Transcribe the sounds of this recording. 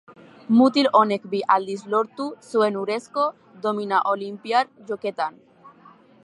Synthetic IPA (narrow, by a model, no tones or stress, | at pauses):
mut̪ilonekbiʔald̪izloɾt̪usuenuɾesko | d̪ominaʔolimpjaɾʝoket̪an